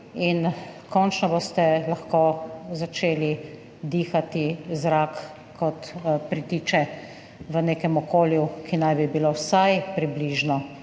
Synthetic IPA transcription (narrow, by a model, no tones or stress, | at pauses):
inkɔnt͡ʃnɔbost̪ɛlɐxkoːzat͡ʃeːli | d̪iːxat̪izɾak | kːɔt̪pɾit̪iːt͡ʃɛ | ʋəneːkɛmɔkoːljukinajbibilowsajpɾibliːʒnɔ